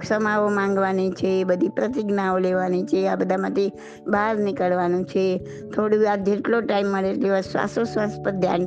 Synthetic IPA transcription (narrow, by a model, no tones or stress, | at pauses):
ksəmaʋomãŋɡʋanit͡ʃʰeːbəd̪ʱipɾət̪ɪɡnaoleʋanit͡ʃʰeabəd̪ʱamãt̪ʰi | bʱaɾnɪkəɭʋanũt͡ʃʰe | t̪ʰoɽuad͡ʒeʈloʈaimːəɭeʈleʋasʋa̰sosʋaspəd̪ʱja̰n